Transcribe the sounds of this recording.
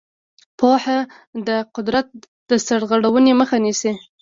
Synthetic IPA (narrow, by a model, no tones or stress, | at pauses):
poha | d̪əqʊd̪ɾat̪̚ | d̪əsaɽɣaɽawəneməxanisi